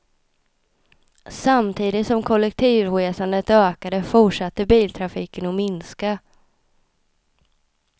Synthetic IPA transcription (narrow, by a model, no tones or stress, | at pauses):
samt̪ʰiːd̪ɪt̪sɔmkʰɔlːɛk̚t̪ʰiːvɧeːsand̪ət̪øːkad̪əfʊʈʂat̪ːəbiːlt̪ʰɾafiːkənɔmɪnska